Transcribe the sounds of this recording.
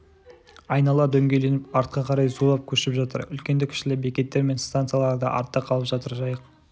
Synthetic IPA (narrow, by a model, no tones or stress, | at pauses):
ɑjnɑlˠɑd̪ɵŋɡʲe̞le̞nɪpɑɾt̪̚qɑqʰɑɾɑjzulˠɑp̚kʲʰɵʃɪpʒɑt̪ə̰ɾʏ̰lkʲend̪ɪkʲʰɪ̥ʃɪlɪbekʲe̞t̪ːe̞ɾme̞nst̪ant̪sɨjalˠɑɾd̪ə̰ʔɑ̰ɾt̪ːɑqʰɑlˠəpʒɑt̪əɾʒɑjəq